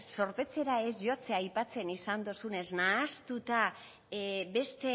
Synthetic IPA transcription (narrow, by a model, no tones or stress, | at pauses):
so̞ɾpe̞t͡se̞ɾae̞zʝo̞t͡seajpat͡se̞nisand̪osune̞znaːst̪ut̪a | be̞st̪e